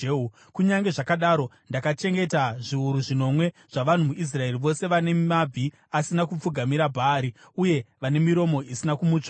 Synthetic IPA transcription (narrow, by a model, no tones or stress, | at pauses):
u | kuɲaŋɡe̞ʐakaɗaːɾo̞ | ndakat͡ʃe̞ŋɡe̞taʐiuɾuʐino̞mwe̞ | ʐ̥aʋan̤umuʔis̬rae̞riʋo̞se̞ʋane̞mab͡vʱi | asinakup͡fuɡʱamiɾabʱaːɾi | uje̞ʋane̞miɾo̞mo̞ʔisinakumuːt͡ʂa